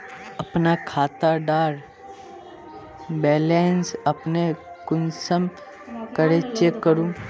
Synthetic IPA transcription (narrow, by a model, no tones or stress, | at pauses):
əpnakʰaːt̪aɖaːɾ | bɛːlensəpnekʊnsəm | kəɾet͡ʃekːəɾũ